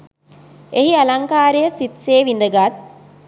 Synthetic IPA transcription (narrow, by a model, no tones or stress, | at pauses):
eɦialaŋkaːɾejəsit̪seːʋind̪əɡat̪̚